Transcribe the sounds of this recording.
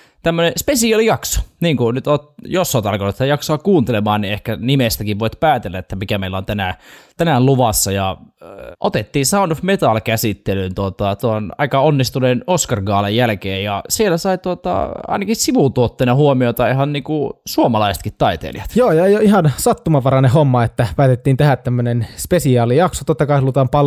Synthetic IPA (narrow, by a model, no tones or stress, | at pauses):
t̪æmːønespesiɑlijɑkso̥niːŋkunyt̪oːt̪josːɑoːt̪ɑlkonːt̪et̪ːæjɑksoɑkkuːnt̪elemɑːnniehkænimest̪ækiʋʋoit̪pæːt̪elːæet̪ːæmikæmeilːæont̪ænæt̪ænælluʋɑsːɑjɑ | ʔot̪et̪ːiːsɑunofmet̪ɑlkæsit̪ːelynt̪uot̪ɑt̪uoonɑ̰ikɑonːist̪unenoskɑrɡɑːlejjælkeːjjɑsielæsɑit̪uot̪ɑ̰ɑ̰inɑkissiʋut̪uot̪ːenɑhuomiot̪ɑihɑnniːkusuomɑlɑise̥t̪kit̪t̪ɑit̪ḛljɑt̪joːjɑjoihɑnsɑt̪ːumɑʋɑrɑnehomːɑet̪ːæpæːt̪et̪ːiːnt̪ehæt̪t̪ːæmːønenspesiɑːlijɑksot̪ot̪ːɑkɑihɑlut̪ɑːmpɑl